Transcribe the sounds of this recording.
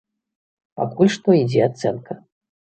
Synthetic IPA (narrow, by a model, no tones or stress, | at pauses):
pa̰kulʲʂt̪ɔid͡zʲɛat̪sɛnkʰɐ